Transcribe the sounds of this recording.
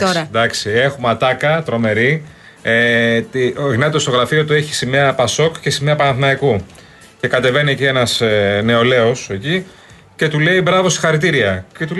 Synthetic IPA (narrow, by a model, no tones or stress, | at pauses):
oɾɐd̪ɐksie̞xumɐt̪ɐkɐt̪ɾo̞me̞ɾi | et̪iɣnɐt̪ost̪o̞ɣɾɐfiot̪ueçi̥semɲɐpɐso̞kcesemɲɐpɐnɐθnɐiku | ce̞kɐt̪e̞ve̞niecie̞nɐsne̞o̞le̞o̞se̞ci | ce̞t̪ule̞ibɾɐvo̞st̪i̥xɐɾit̪̬iɾiɐcet̪u